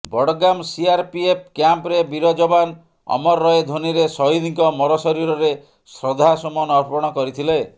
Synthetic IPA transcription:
bɔɽɔɡamsiaɾpiep̚kjampɾebiɾod͡ʒɔban | ɔ̰mɔɾːɔed̪ʱoniɾesɔɦid̪iŋkɔmɔɾɔsɔɾiɾɔɾe | sɾɔd̪ʱasɔmɔnɔɾpɔɽ̃ɔkɔɾit̪ʰile

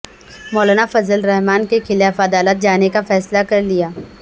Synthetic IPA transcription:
mɔːlaːnafɐzəlɾɛɦmaːnkekʰɪlaːfɐd̪aːlət̪̚d͡ʒaːnekafɛːslakɐɾlijaː

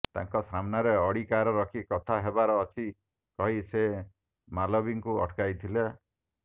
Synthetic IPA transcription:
t̪a̰ŋkɔsamnaɾeɔɽikaɾɔɾɔkʰikɔt̪ʰaɦebaɾɔːt͡ʃʰi | kɔɦise | malɔbiŋkuɔ̰ʈkajt̪ʰile

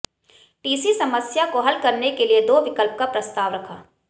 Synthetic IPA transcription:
ʈiːsisɐməsjakoɦɐlkɐɾnekelied̪oːʋɪkəlp̚kapɾɐst̪aːʋɾɐkʰaː

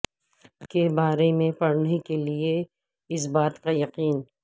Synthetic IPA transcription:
kebaːɾemẽpɐɽnekelie | ɪs̬baːt̪kajɐqiːn

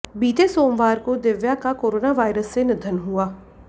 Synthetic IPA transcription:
biːd͡ʒeːsoːmʋaːɾkoːd̪eʋjaːkaːkoːɾoːnaːʋaːɪɾəsːeːnɪd̪ʱənɦʊaː

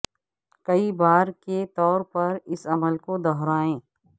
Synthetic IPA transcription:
kɐibaːɾket̪ɔːɾpɐɾɪsɐməlkod̪ɔɦɾaːẽː

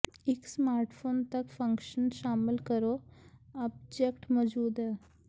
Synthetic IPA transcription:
ɪksmaːɾʈfʰoːnt̪ɐkfɐ̃ŋkʃənʃaːmɪlkəɾoːɐb̚d͡ʒekʈmɔd͡ʒuːd̪ɛː

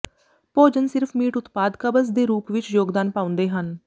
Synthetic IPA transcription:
poːd͡ʒənsɪɾpʰmiːʈʊt̪paːd̪kəbəs̬d̪eːɾuːpʋɪt͡ʃjoːɡd̪aːnpaːʊ̃nd̪eːɦən

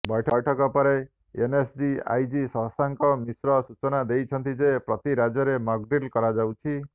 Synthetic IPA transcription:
bjʈʰɔjʈʰɔkɔpɔɾe | enesd͡ʒia̰jd͡ʒisɔ̃ɦsaŋkɔmisɾɔsut͡ʃɔnad̪ejt͡ʃʰɔnt̪id͡ʒepɾɔt̪iɾad͡ʒɔɾemɔɡɖilkɔɾad͡ʒawt͡ʃʰi

